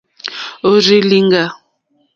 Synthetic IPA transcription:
o˨ɾi˦li˦ŋɡa˦˨

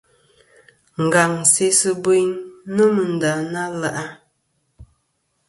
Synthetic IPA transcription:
ŋ̩˨ɡa˨ŋ˨se˨˦sə˦bə˦jnnə˦mə˨n̩˨da˨na˦la˨ʔa˦

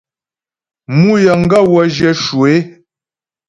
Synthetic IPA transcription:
mu˦jə˨ŋ̩˦ɡa˦˨wɔ˨d͡ʒɛ˨ʃu˨e˦

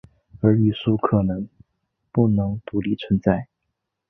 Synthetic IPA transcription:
ə˞˧˥y˥˩ʂu˥kʰɤ˨˩nɤ˧˥ŋ | pu˥˩nɤ˧˥ŋt̪u˧˥li˥˩t͡sʰwə˧˥nt͡sa˥˩ɪ

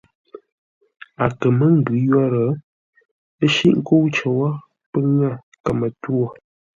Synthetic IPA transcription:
a˨kə˨mə˦ŋ̩˦˨ɡʉ˨˦jɔ˦ɾə˨˦ | ə˦ʃḭ˦ʔŋ˦ko˦wt͡ʃə˨wa˦ | pə˦ŋa˦˨ | kə˨mə˨two˦˨

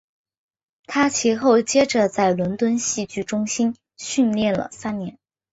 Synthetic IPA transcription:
t̪ʰa˥t͡ɕʰi˧˥xo˥˩ʊt͡ɕjɛ˥ʈ͡ʂə˨t͡sa˥˩ɪlwə˧˥nt̪wə˥nɕi˥˧t͡ɕy˥˩ʈ͡ʂʊ˥ŋɕi˥n | ɕy˥˧nljɛ˥˩nlə̰˩sa˥nnjɛ˧˥n

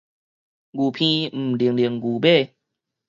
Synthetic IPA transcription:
ɡu˨˩pʰĩ˧m̩˨˩li˨ə˦ŋli˨˩əŋɡu˨˩be˥˧˨

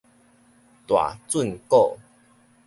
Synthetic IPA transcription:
t̪wa̰˨˩t͡swu˥˨nko˥˨

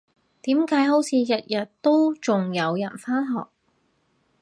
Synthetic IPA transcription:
t̪iː˨˥mkaː˨˥jɦo˨˥wt͡sʰiː˨˧jɐ˨t̚jɐ˨t̚t̪o˥wt͡sʊ˨ŋjɐ˨˧wjɐ˨˩nfaː˥nɦɔ̰ː˨k̚

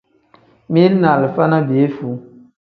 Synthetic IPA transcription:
mi˦lna˨lɨ˨fa˦na˦be˨e˦fu˨

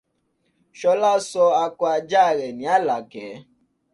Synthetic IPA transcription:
ʃɔ˧la˦sɔ˧a˧kɔ˧a˧d͡ʒa˦˨ɾɛ˨nĩ˨˦a˦la˨ɡɛ˨˦

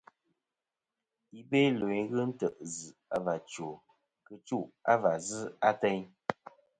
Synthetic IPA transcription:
i˨be˦lo˨i˨˦ɣɨ˦n̩˦tə˨ʔzɨ˨a˦va˨t͡ʃo˨ | kɨ˦t͡ʃu˦˨ʔa˦va˨zɨ˦a˦tɛ˦ɲ

